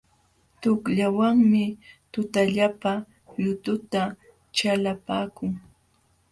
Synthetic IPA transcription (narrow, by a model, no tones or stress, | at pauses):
t̪ʊkʎawaŋmɪt̪ʊt̪aʎapa | ʎʊt̪ʊt̪a | t͡ʃalapaːkʊŋ